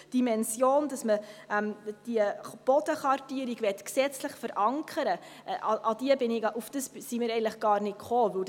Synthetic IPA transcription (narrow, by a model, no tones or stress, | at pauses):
d̥imɛnsjoːnd̥ɑsməɛmd̥iəb̥ɔdəχɑrtiəɾiɡvɛtksɛt͡slɪχfəɾʔɑŋkʰəɾə | ʔʔɑʔɑd̥iəbɪnɪɡʔufd̥əssimɪɾɛɪəntləχɡ̥ɑːrnɪtkχoːvɵwd